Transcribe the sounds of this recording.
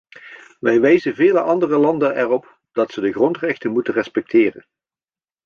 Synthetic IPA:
ʋɛjʋɛjzənvɪːləʔɑndərəlɑndənɛrɔp | d̥ɑtsədəɣrɔntrɛxtənmutərɛspɛk̚tʰɪːrə̰n

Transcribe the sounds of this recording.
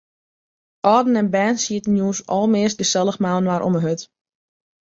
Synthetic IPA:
ʔɔːdn̩ɛnbɛːnsiətən̩juːsɔlˠmɪəsdəsɛlˠəxmaːnwaɾʔo̰məɦøt

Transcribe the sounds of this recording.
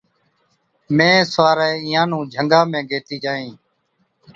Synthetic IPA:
mẽːsaːɾɛːiːãːnũːd͡ʒʱəŋɡaːmẽːɡeːt̪iːd͡ʒaːĩː

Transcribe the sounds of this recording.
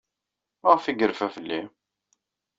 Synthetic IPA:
məʁfiɡəɾfæfəlːi

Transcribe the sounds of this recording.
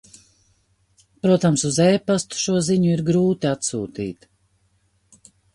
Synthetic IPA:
pɾuɔt̪amsuzɛːpast̪u̥ʃuɔziɲuiɾɡɾuːt̪iat̪suːt̪ḭːt̪

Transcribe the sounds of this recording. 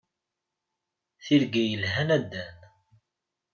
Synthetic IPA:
θiɾɡæjəlɦænæd̪ːæn

